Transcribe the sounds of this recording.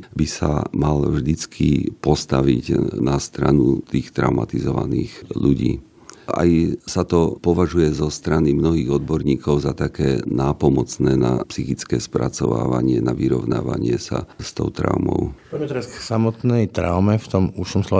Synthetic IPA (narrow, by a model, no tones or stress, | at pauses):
bisa̰malvʒd̪it͡skʰipɔst̪aʋḭcnast̪ɾanut̪iːxt̪ɾaʊmat̪izɔʋaniːɣʎuɟiː | a̰jsat̪ɔpɔʋaʒujɛzɔst̪ɾanimnɔɦiːɣɔd̪bɔɾɲiːkɔʊzat̪akɛːnaːpɔmɔt͡snɛːnapsixit͡skɛːspɾat͡sɔʋa̰ːʋaɲɪɛnaʋiɾɔʊnaːʋaɲɪɛsast̪ɔʊt̪ɾa̰ʊmɔ̰ʊɔit̪ɛɾasksamɔt̪nɛjt̪ɾaʊmɛft̪ɔmuʃɔmslɔ